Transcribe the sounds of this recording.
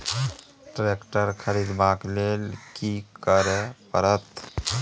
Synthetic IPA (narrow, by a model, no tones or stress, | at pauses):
ʈɾekʈəɾkʰəɾid̪baklelkikəɾepəɾət̪